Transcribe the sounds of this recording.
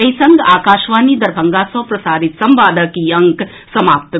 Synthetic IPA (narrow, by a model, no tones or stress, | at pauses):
ɐisɐŋɡaːkaːʃʋaːnid̪ɐɾbʱɐŋɡaːsɔ̃ːpɾɐsaːd̪ʱit̪sɐmʋaːd̪ʱɐkiɐŋk | sɐmaːp̚t̪